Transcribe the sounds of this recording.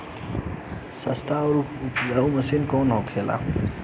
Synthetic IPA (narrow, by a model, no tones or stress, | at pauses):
sɐst̪a | auməsinkoːnɦoːkʰeːla̰ː